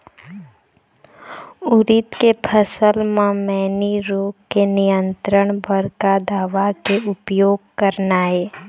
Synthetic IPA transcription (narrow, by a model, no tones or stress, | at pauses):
ʊɾɪt̪kepʰəsəlmãmɛːniɾoːkenɪjə̃nt̪ɾəɽ̃bəɾkad̪aːʋakeʊpjoːɡ̚kəɾnaːeː